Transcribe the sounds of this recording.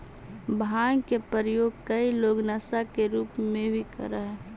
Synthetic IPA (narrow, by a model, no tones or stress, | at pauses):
bʱaŋkepəɾəjoːɡ̚kəiloːɡnasakeɾuːpmẽbʱikə̰ɾəɦɛ